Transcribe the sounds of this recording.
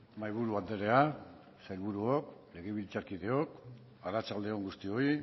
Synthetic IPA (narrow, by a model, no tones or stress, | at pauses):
majβ̞uɾuand̪e̞ɾe̞a | sajlβuɾuokle̞ɣ̞eβ̞ilt͡saɾkið̞e̞o̞k | aɾat͡sald̪e̞oŋɡust̪io̞i